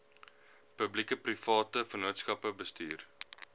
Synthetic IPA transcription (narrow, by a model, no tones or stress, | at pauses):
pəblikəprifɑːtəfənuətskɐpəbəstiːr